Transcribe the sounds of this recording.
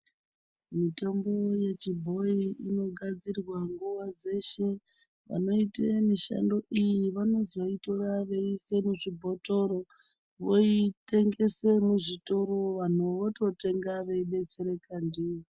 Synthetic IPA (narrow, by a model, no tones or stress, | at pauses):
mito̞mbo̞je̞t͡ʃibʱo̞iino̞ɡʱad͡zirwaŋɡuʋad͡ze̞ʃe̞ | ʋa̰no̞itemiʃa̰ndo̞ʔijiʋano̞zoito̞raʋe̞ise̞muʐibʱo̞to̞ɾo̞ | ʋo̞ite̞ŋɡe̞se̞muʐito̞ɾo̞ʋan̤uʋoto̞te̞ŋɡaʋe̞iɓe̞t͡se̞ɾe̞kandiːo